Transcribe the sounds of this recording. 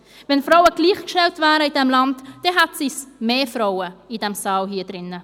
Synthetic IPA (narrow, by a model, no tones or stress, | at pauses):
vɛnfɾaʊəɡ̥liːχkʃtɛltvæːɾəidɛmlɑndd̥ɛɦɛtsismeːfɾaʊəid̥ɛmsɑːlɦiːd̥ɾɪnːə